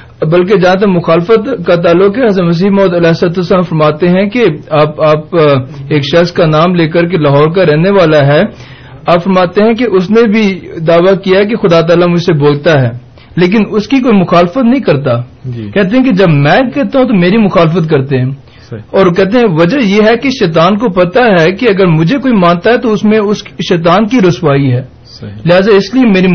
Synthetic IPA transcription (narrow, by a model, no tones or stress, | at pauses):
bɐlk̬ed͡ʒaãt̪̬emʊxaːlfət̪kat̪aːlːʊkɦɛɐzmɐs̬iːmɔːd̪ɐlɛːsət̪əsaːmfɐɾmaːt̪eɦɛ̃keaːpaːpeːkʃɐxskanaːmleːk̬əɾk̬elaɦɔːɾk̬aɾɛɦneʋaːlaɦɛ | aːpfɐɾmaːt̪eɦɛ̃k̬eʔʊsnẽbʱid̪aːʋakijaɦɛk̬exʊd̪at̪aːlamʊd͡ʒʱseboːlt̪aɦɛː | leːk̬ɪnʊskikoːimʊxaːlfət̪nɐɦĩkɐɾt̪akɛːɦt̪̬eɦɛ̃ked͡ʒɐbmɛ̃kɛɦt̪aɦũt̪omeːɾimʊxaːlfət̪k̬ɐɾt̪eɦɛ̃ | ɔːɾkɛːɦt̪̬eɦɛ̃ʋɐd͡ʒəjeɦɛkeʃɛːt̪aːnkopɐt̪aɦɛkeɐɡəɾmʊd͡ʒʱekoːimãːnt̪aɦɛt̪oʊsmẽʊsʃɛːt̪̬aːnkiɾʊsʋaːiɦɛː | lɪɦaːzaɪsliemeːɾi